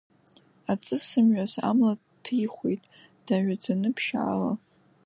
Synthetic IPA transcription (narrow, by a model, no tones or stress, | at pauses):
at͡sʼɨsɨmɥʷᶣaza̰mla | tʰijχʷejtʼ | d̥aɥʷᶣad͡zanɨpʰʃa̰ːla̰